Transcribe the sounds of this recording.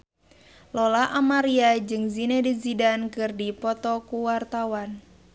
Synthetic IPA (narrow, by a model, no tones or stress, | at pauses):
lɔlaʔamaɾiad͡ʒɨŋzinɛdizidankɨrdipɔt̪ɔkuwart̪awan